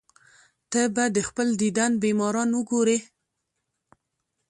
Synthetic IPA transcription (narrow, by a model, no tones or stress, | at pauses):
t̪əbad̪əxpəld̪id̪anbemɑɾɑnwəɡoɾe